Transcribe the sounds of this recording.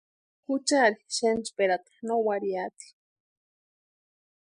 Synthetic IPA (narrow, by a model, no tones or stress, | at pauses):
xut͡ʃaɾiʃent͡ʃpeɾat̪ḁnowaɾiat̪i̥